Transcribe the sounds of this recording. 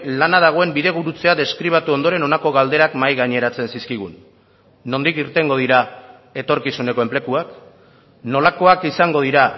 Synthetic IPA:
lanaðaɣ̞o̞e̞mbiðe̞ɣ̞uɾut͡se̞aðe̞skɾiβ̞at̪uo̞nd̪o̞ɾe̞no̞nako̞ɣ̞ald̪e̞ɾakmajɣaɲe̞ɾat͡se̞nsiskiɣ̞unː | o̞nd̪ikiɾt̪e̞ŋɡo̞ð̞iɾa | e̞t̪o̞ɾkisune̞ko̞e̞mple̞kuak | no̞lako̞akisaŋɡo̞ðiɾa

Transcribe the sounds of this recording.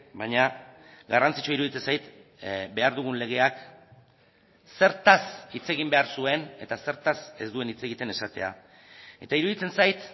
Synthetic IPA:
baɲa | ɡarant͡si̥t͡ʃuiɾuðit͡se̞nsajt̪ | be̞aɾðuɣ̞unle̞ɣ̞e̞ak | se̞ɾt̪asit͡se̞ɣimbe̞aɾsue̞ne̞t̪ase̞ɾt̪ase̞zd̪ue̞nit͡se̞ɣit̪e̞ne̞sat̪e̞̰a̰ | e̞t̪aiɾuðit͡se̞nsajt̪

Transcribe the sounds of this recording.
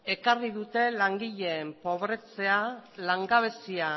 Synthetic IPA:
e̞kariðut̪e̞laŋɡiʎe̞ːmpo̞β̞ɾe̞t͡se̞alaŋɡaβ̞e̞sia

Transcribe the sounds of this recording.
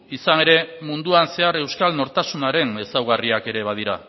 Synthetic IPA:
isane̞ɾe̞mund̪uanse̞aɾe̞wskalno̞ɾt̪asunaɾe̞ne̞sawɣ̞ariake̞ɾe̞β̞að̞iɾa̰

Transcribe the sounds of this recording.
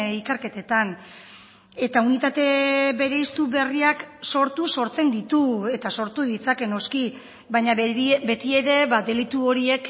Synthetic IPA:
ikeɾke̞t̪et̪an | e̞t̪aunit̪at̪e̞βe̞ɾe̞ist̪uβe̞riakso̞ɾt̪uso̞ɾt͡se̞nd̪it̪ue̞t̪aso̞ɾt̪uðit͡sake̞no̞ski | bajɲabe̞t̪ie̞ɾe̞βad̪e̞lit̪uo̞ɾie̞k

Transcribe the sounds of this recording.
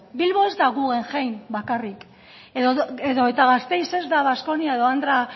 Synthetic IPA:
bilβo̞e̞zd̪aɣuɣe̞ŋʝejmbakarik | eðoeðo̞et̪aɣast̪e̞jse̞zd̪aβasko̞niae̞ðo̞and̪ɾa

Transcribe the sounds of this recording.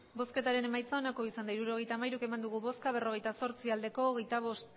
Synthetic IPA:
bo̞ske̞t̪aɾe̞ne̞majt͡saonako̞isand̪aiɾuɾo̞ɣe̞jt̪aːmajɾuke̞mand̪uɣ̞uβo̞skaβ̞e̞ro̞ɣ̞e̞jt̪aso̞ɾt͡siald̪e̞ko̞ːɣe̞jt̪aβo̞st̪

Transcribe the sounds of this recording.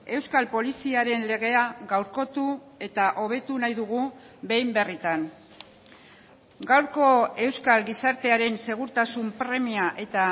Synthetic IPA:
e̞wskalpo̞lisiaɾe̞nle̞ɣ̞e̞aɣawɾko̞t̪u | e̞t̪aʔo̞β̞e̞t̪unajðuɣ̞u | be̞jmbe̞rit̪an | ɡawɾko̞e̞wskalɡisaɾt̪e̞aɾe̞nse̞ɣ̞uɾt̪asumpɾe̞miaʔe̞t̪a

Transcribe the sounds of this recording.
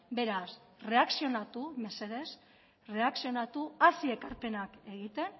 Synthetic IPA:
be̞ɾas | re̞aksio̞nat̪ume̞se̞ðe̞s | re̞aksio̞nat̪uasie̞kaɾpe̞nake̞ɣ̞it̪e̞n

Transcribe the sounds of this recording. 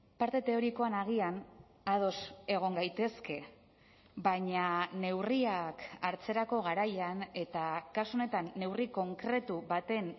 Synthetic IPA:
paɾt̪e̞t̪e̞o̞ɾiko̞anaɣ̞ian | að̞o̞se̞ɣ̞o̞ŋɡajt̪e̞ske̞ | βaɲane̞wriakaɾt͡se̞ɾako̞ɣ̞aɾajane̞t̪akasuo̞ne̞t̪anːe̞wriko̞ŋkɾe̞t̪uβat̪e̞n

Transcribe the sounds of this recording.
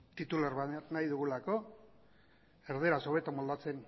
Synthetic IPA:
t̪it̪ulaɾβanajðuɣulako̞ | eɾðeɾaso̞β̞e̞t̪amold̪at͡se̞n

